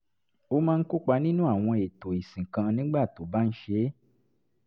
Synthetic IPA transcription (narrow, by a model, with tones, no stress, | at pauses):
o˦mãː˦˧n̩˦ku˦k͡pa˧nĩ˦nũ˦a˦˨w̃ɔ̃˧e˨to˨i˨sĩ˨kã˧nĩ˦ɡ͡ba˦˨to˨ba˦n̩˦ʃe˧˦